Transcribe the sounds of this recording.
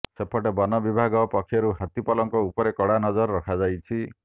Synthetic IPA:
sepʰɔʈebɔnɔbibʱaɡɔpɔkʰːjɔɾuɦat̪ipɔlɔŋkɔupɔɾekɔɽanɔd͡ʒɔɾːɔkʰad͡ʒajt͡ʃʰi

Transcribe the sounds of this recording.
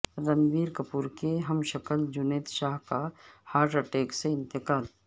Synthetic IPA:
ɾəmʋiːɾkɐpuːɾkeɦɐmʃəkəld͡ʒʊneːt̪ʃaːɦkahaːɾʈəʈeːkseɪ̃nt̪ɪkaːl

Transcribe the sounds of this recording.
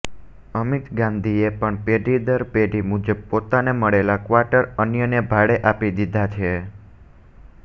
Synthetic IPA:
əmit̪ɡãnd̪ʱiepəɳpeɖid̪əɾpeɖimud͡ʒəb̚pot̪aneməɭelakʋaʈəɾənjənebʱaɽeʔapid̪id̪ʱat͡ʃʰe

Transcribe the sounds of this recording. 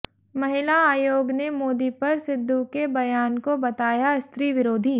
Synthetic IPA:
mɐɦɪlaaːjoːɡnemoːd̪ipɐɾsɪd̪ʱːukebɐjaːnkobɐt̪aːjaɪst̪ɾiːʋɪɾoːd̪ʱiː

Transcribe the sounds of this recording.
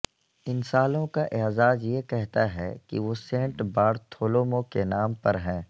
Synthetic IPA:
ɪnsaːlõkaʔeɦzaːd͡ʒjekɛɦt̪aɦɛkḭʋoːsẽːɳʈbaːɽt̪ʰoːloːmõkenaːmpɐɾɦɛ̃ː

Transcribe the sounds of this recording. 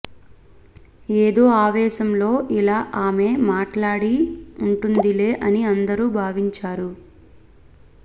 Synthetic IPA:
eːd̪o̞ːaːʋɛːʃɐmlo̞ːʔilaːʔaːme̞ːmaːʈlaːɽiuɳʈund̪ile̞ːʔɐniɐnd̪ɐɾuːbʱaːʋiɲt͡ʃaːɾu

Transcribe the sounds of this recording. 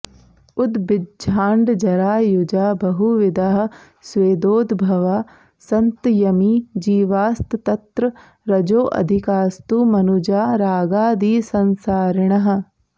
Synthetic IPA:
ʊt̪bɪdd͡ʒʱaːɳɖd͡ʒɐɾaːjʊd͡ʒaːbɐɦuʋɪd̪aːɦ | sweːd̪oːd̪bʱɐʋaː | sɐnt̪jɐmiːd͡ʒiːʋaːst̪t̪ɐt̪ɾə | ɾɐd͡ʒoːʔɐ̰d̪ʱɪkaːst̪uːmɐnʊd͡ʒaːɾaːɡaːd̪iːsɐnsaːɾɳɐɦ

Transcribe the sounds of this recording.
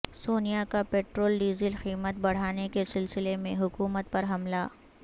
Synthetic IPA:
soːnijakapeːʈɾoːlɖiːzɪlxiːmət̪̚bɐɽ̤aːnekesɪlsɪlemẽɦʊkuːmət̪̚pɐɾɦɐmlaː

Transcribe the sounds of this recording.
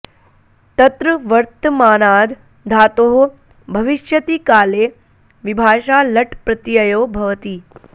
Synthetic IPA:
t̪ɐt̪ɾəʋɐɾt̪maːnaːd̪ | d̪ʱaːt̪oːɦo | bʱɐʋiʃjɐt̪iːkaːleː | ʋibʱaːʃaːlɐʈpɾɐt̪ijɐjoːbʱɐʋt̪iː

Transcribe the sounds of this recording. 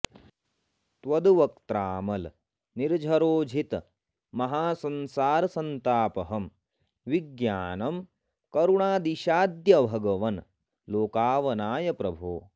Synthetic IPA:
t̪ʋɐd̪uʋɐkt̪ɾaːmɐl | niɾd͡ʒʱɐɾoːd͡ʒʱit̪ | mɐɦaːsɐnsaːɾɐsɐnt̪aːpɐɦɐm | ʋiɡjaːnɐm | kɐɾuɳaːd̪iʃaːd̪jɐbʱɐɡɐʋɐn | loːkaːʋɐnaːjɐpɾɐbʱṵː

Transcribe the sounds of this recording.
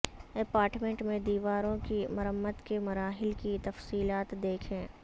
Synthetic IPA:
ɪpaːɾʈmẽɳʈmẽd̪iːʋaːɾõkimɐɾəmːəd̪kemɐɾaːɦɪlkit̪ɐfsiːlaːt̪d̪eːkʰẽː

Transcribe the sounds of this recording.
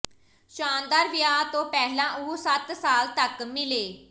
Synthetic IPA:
ʃaːnd̪aːɾʋɪjaːt̪õːpɛːlãːʊusət̪saːlt̪əkmɪleː

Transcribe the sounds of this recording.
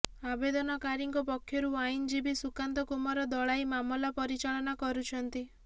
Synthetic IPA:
abed̪ɔnɔkaɾiŋkɔpɔkʰːjɔɾuajnd͡ʒibisukant̪ɔkumɔɾɔd̪ɔɭajmamɔlapɔɾit͡ʃaɭɔnakɔɾut͡ʃʰɔnt̪i

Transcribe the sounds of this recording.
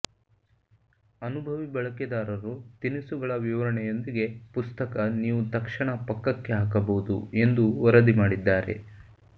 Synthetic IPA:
ɐnubʱɐʋibɐɭɐkɛd̪aːɾɐɾut̪inisuɡɐɭɐʋiʋɐɾɐɳɛjo̞nd̪iɡe̞pust̪ɐkɐniːʋut̪ɐkʂɐɳɐpɐkːɐkːe̞ɦaːkɐbɐwud̪ṵe̞nd̪uɔɾɐd̪imaːɽid̪ːaːɾe̞̰

